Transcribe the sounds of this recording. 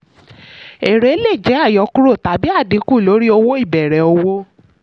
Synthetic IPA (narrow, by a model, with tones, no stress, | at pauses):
e˨ɾe˨˦le˦˨d͡ʒɛ˨˦a˦˨jɔ˧˦ku˦ɾo˦˨ta˨bi˦a˦˨di˨˦ku˦˨lo˨˦ɾi˦o˧wo˦i˦˨bɛ˨ɾɛ˨o˧wo˦